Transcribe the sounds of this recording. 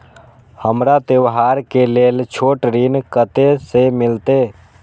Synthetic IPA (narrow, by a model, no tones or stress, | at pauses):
həmɾat̪eʋɦaːɾkeleːlt͡ʃʰoːʈɾinkət̪esemɪlt̪e